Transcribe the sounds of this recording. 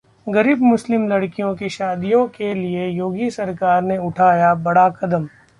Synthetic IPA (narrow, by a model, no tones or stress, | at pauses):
ɡɐɾiːbmʊslɪmlɐɽkijõkeʃaːd̪ijõkeliejoːɡisɐɾkaːɾneʊʈʰaːjabɐɽakɐd̪əm